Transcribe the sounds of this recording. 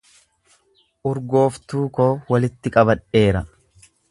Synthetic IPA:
ʔʊɾɡo̞ːft̪uːko̞ːwɐlɪt̪ːɪkʼɐbɐᶑe̞ːɾɐ

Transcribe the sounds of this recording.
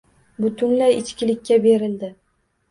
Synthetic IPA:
bʊt̪ʰʊnlajɪt͡ʃkʲɪlɪkʲːabe̞ɾɪld̪ɪ

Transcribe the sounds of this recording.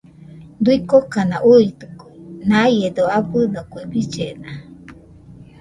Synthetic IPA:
d̪uikokanãʔuit̪ukuenãjed̪oaɸɨnokuebid͡ʒenã

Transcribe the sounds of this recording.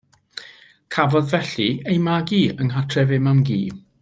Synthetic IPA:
kʰavɔðvɛɬiejmaɡiːəŋɦatʰrɛvɪmamɡḭː

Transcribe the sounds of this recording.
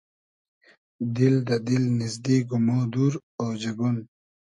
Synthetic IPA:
d̪ild̪ɐd̪ilnɪzd̪iːɡumoːd̪uɾoːd͡ʑɐɡun

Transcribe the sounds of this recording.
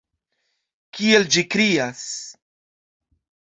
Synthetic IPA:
kield͡ʒikɾias

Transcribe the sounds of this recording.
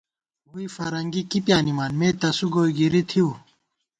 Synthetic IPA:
ɦuifɐɾɐŋɡikipjaːnimaːnmeːt̪ɐsuɡoːiɡiɾit̪ʰiu

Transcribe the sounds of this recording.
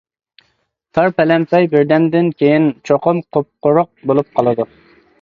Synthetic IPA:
t̪ʰɑɾpɛlɛmpɛjbɪɾd̪ɛnd̪ɪnkʲʰejint͡ʃʰoqʊmqʰop̚qʊɾʊq̚bolˠup̚qʰɑlˠɨd̪u

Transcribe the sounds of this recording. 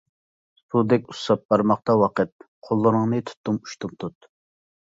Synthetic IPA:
sud̪ɛkʲu̥sɑp̚bɑɾmɑqt̪ɑwɑqət̪̚ | qʰolˠːɨnɨŋnɨt̪ʰu̥t̪ːumu̥ʃt̪ʰumt̪ʰut̪

